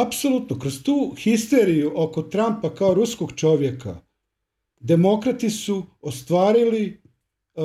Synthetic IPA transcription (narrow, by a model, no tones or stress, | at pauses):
apso̞lˠut̪nokɾost̪uːxist̪eɾijuʔokot̪ɾampakaoɾusko̞ɡt͡ʃo̞ʋje̞ka̰ | d̪e̞mo̞kɾat̪isuost̪ʋaːɾili